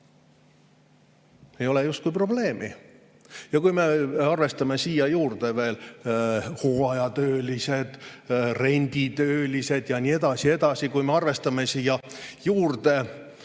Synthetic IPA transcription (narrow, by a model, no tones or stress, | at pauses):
e̞jo̞lejust̪̚kujpro̞ble̞ːmḭ | jɑkujme̞ɑrve̞st̪ɑme̞siːjɑjuːrd̪̥e̞ve̞ːl | hoːɑjɑt̪øːlise̞d̪̥re̞nʲd̪̥it̪øːlise̞d̪̥jɑnʲie̞d̪̥ɑsie̞d̪̥ɑsikujme̞ɑrve̞st̪ɑme̞siːjɑjuːrd̪e̞